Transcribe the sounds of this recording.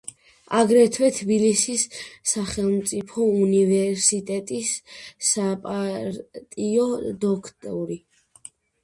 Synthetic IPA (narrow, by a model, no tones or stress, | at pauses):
aɡɾɛt̪ʰwɛt̪ʰbilisisːaχɛlˠmt̪sʼipʰɔunivɛɾsit̪ʼɛt̪ʼisːapʼaɾt̪ʼiɔd̪ɔkʰt̪ʼɔ̰ɾi